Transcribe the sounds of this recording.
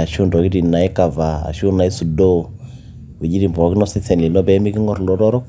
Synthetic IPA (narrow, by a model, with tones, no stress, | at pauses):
a˨ʃu˦ndɔ˨ki˦ɾi˨na˨i˦ka˨va˨a̰˨ʃu˦na˨i˦su˨dɔ˦ | wɛ˨d͡ʒi˦ɾi˨mbɔ˨˦ki˦nɔ˦sɛ˦θɛ˨ni˨nɔ˦bɛ˦mi˦ki˦ŋɔ˦˨ɾlɔ˨ɾɔ˦ɾɔ˦